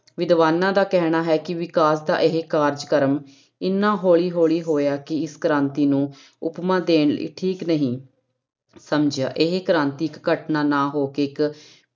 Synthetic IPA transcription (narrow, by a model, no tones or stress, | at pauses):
ʋɪd̪ʋaːnãːd̪aːkɛːɦɽ̃aːɦɛːkɪʋɪkaːs̬d̪a̰ːʔɪɦekaːɾd͡ʒkəɾm | ɪnːãːɦoːɭiːɦoːɭiːɦoːjaːkɪɪskəɾãːnt̪iːnũː | ʊpmãːd̪eːɳlḭːʈʰiːknəɦĩː | səmd͡ʒja̰ːʔeɦekəɾãːnt̪iːɪkːəʈnaːnaːɦoːkeːɪk